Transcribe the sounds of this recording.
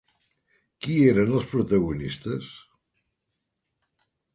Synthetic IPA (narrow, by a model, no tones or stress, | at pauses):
kieɾənəlˠspɾut̪əɣunist̪əs